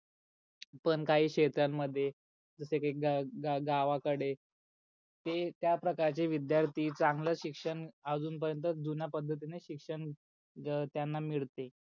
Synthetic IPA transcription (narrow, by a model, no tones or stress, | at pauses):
pəɳkaɦiːɕet̪ɾamːəd̪ʱːje | d͡zəsekaikɡaɡaɡaʋakəɽe | t̪et̪japɾəkaɾt͡ɕiːʋid̪jaɾt̪ʰiːt͡sãŋɡləɕikʂəɳad͡zuːnp̬əɾjənt̪̬əd̪unjapəd̪ʱːət̪̬ineɕikʂəɳ | t̪janːamiɭt̪e